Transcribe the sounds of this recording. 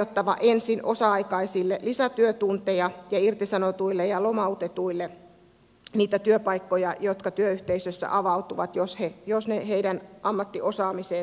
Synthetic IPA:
ot̪ːɑʋɑ̰ʔensinʔosɑɑikɑisilːelisæt̪yøt̪unt̪ejɑjɑirt̪isɑnot̪uilːejɑlomɑut̪et̪uilːe | niːt̪æt̪yøpɑikːojɑjot̪kɑt̪yøyht̪eisøsːæ̰ʔɑʋɑut̪uʋɑt̪joshejosneheidænɑmːɑt̪ːiosɑːmiseː

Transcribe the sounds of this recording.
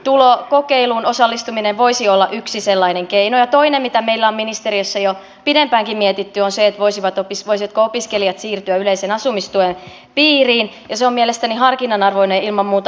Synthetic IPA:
t̪ulokokeilunosɑlːist̪umineʋʋoisiolːɑʔyksiselːɑineŋkeinojɑt̪oinemmit̪æmeilːæomminist̪eɾiøsːɑjo | pidempæːŋkimmiet̪it̪ːyonseet̪ʋoisiʋɑt̪opisʋoisiʋɑt̪koopiskelijɑt̪siːrt̪yæyleisenɑsumist̪uen | piːriːnjɑseommielest̪ænihɑrkinɑnɑrʋoineilmɑmmuːt̪

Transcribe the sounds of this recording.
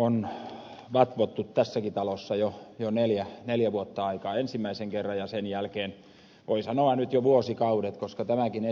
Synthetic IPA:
on | ʋɑt̪ʋot̪ːut̪t̪æsːækit̪ɑlosːɑjojoneljæneljæʋuot̪ːɑɑikɑːensimːæiseŋkerːɑjɑsenjælkeːn | ʋoisɑnoɑnyt̪joʋuosikɑudet̪koskɑt̪æmækine

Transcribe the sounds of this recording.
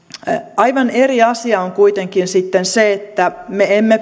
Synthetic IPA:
ɑiʋɑneriɑsiɑoŋkuit̪eŋkinsit̪ːenseet̪ːæmeemːe

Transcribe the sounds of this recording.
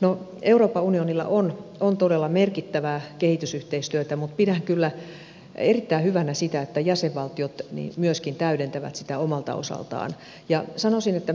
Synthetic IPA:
no | euroːpːɑunionilːɑ̰ʔonont̪odelːɑmerkit̪ːæʋækehit̪ysyht̪eist̪yøt̪æmut̪pidæŋkylːæ | erit̪ːæihyʋænæsit̪æet̪ːæjæseʋʋɑlt̪iot̪nḭmyøskint̪æyɾent̪æʋæ̰t̪sit̪æomɑlt̪ɑ̰o̰sɑ̰lt̪ɑ̰ːn | jɑsɑnosinet̪ːæ

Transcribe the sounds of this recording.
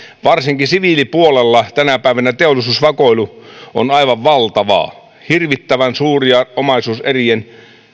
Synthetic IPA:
ʋɑrsiŋkisiʋilipuolelːɑt̪ænæpæˑiʋænæt̪eolːˑisuːsʋɑkoiluo̰nɑiʋɑʋʋɑlt̪ɑʋɑ̰ː | hirʋit̪ːæʋænsuːriɑʔomɑisuːserien

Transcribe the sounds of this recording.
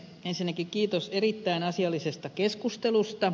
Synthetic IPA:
ensinːækikkiːt̪oserit̪ːæinɑsiɑlːisest̪ɑkeskust̪elust̪ɑ

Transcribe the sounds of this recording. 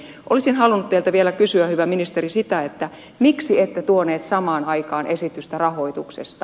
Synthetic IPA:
ʔolisinhɑlunːut̪t̪eilt̪æʋielækysyæhyʋæminist̪erisit̪æet̪ːæ | miksiet̪ːet̪uoneːt̪sɑmɑːnɑikɑːnʔesit̪yst̪ærɑho̞it̪uksḛst̪ɑ

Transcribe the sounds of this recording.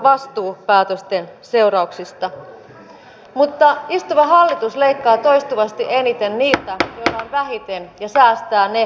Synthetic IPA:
ʋɑst̪uːpæːt̪øst̪ense̞urɑuksist̪ɑ | mut̪ːɑist̪uʋɑɦɑlːit̪usle̞ikːɑːt̪o̞jst̪uʋɑst̪iʔe̞nit̪e̞nniːt̪æjo̞ilːɑonʋæɦit̪enjɑsæːst̪æːne

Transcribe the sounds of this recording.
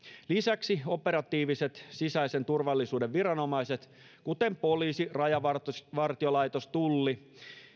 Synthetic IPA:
lisæksio̞peɾɑt̪iːʋiset̪sisæisent̪urʋɑlːisuːdeʋʋirɑno̞mɑiset̪ | kut̪empoliːsirɑjɑʋɑrt̪sʋɑrt̪iolɑjt̪ost̪ulːi

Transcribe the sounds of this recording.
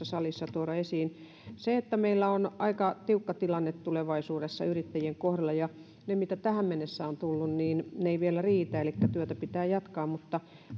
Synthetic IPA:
ɑsɑlisːɑt̪uoɾɑesiːn | seet̪ːæmeilːæonʔɑikɑt̪iukːɑt̪ilɑnːet̪t̪uleʋɑisuːdesːɑ̰yrit̪ːæjieŋkohrɑlːˑɑjɑ | nemit̪æt̪æhæmmenːesːæont̪ulːunniːnneiʋielæriːt̪æelikːæt̪yøt̪æpit̪æːjɑt̪kɑːmmut̪ːɑ

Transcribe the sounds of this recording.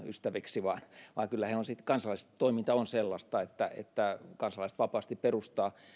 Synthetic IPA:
y̰st̪æʋiksiʋɑnʋɑːkylːæheonsit̪kɑnsɑlɑˑlise̥t̪t̪oimint̪ɑonselːɑst̪ɑet̪ːæḛt̪ːækɑnsɑlɑˑiset̪ʋɑpɑːst̪ipperust̪ɑː

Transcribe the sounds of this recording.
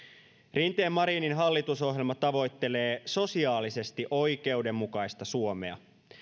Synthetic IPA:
rint̪e̞ːmːɑɾiːninɦɑlːit̪uso̞ɦjelmɑt̪ɑʋo̞jt̪ːe̞le̞ːso̞siɑːlise̞st̪iʔo̞jk̟e̞uwde̞mːukɑjst̪ɑsuo̞me̞̰ɑ̰

